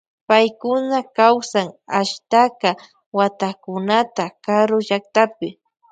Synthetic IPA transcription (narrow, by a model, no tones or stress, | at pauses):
pajkʊnakawsaŋaʃt̪aka | wat̪akʊnat̪akaɾʊʒak̚t̪apɪ